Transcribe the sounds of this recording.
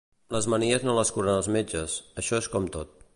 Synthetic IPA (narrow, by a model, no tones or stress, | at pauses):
ləzməniəznoləskuɾənəlˠzmed͡ʒəsəʃɔeskɔmt̪ot̪̚